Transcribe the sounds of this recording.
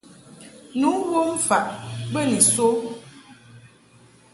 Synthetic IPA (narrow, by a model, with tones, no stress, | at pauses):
nu˨˦wo˦m̩˦fa˨ʔbə˦ni˨so˦